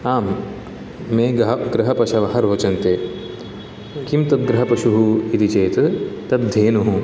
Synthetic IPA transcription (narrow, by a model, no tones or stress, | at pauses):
aːmː | ẽːɡɦɡɾɐɦɐpɐʃɐʋɐɦɐɾoːt͡ʃɐnt̪eː | kimt̪ɐt̪̚ɡɾɐɦɐpɐʃuɦuit̪it͡ʃeːt̪t̪ɐt̪̚d̪ʱːeːnuɦu